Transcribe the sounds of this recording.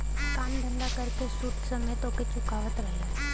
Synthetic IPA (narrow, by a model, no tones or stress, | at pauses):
kand̪ʱənd̪akəɾkesuːʈsəmet̪oket͡ʃukaʋət̪ɾəɦla